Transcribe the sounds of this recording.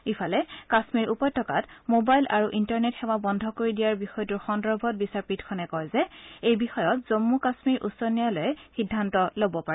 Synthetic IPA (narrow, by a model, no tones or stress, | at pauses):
ifʰalɛkasmiɹʔupɔjtʰɔka̰tmobajlʔaɹuʔintaɹnetxɛwabɔndʱɔkoɹidijaɹbixɔjɔtuɹxɔndɔbʱɔt̚bisaɹpitkʰɔnɛkɔjzɛejbixɔjɔtz̥omːukasmiɹʔṵsɔnijalojɛxidʱːantɔlobɔpaɹɛ